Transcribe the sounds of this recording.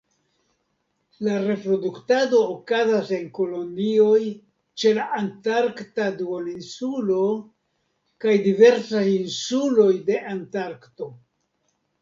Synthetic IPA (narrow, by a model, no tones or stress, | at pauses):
laɾe̞pɾo̞duktado̞ːkazase̞ŋko̞lo̞nio̞j | t͡ʃe̞laʔantaɾktaduolinsulo̞ | kajdive̞ɾsajinsulo̞jde̞ʔantaɾkto̞